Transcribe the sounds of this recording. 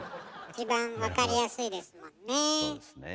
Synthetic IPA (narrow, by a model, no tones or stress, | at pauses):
it͡ɕibãɰ̃βakaɾʲijasɨid̪e̞sɨmõ̞nːe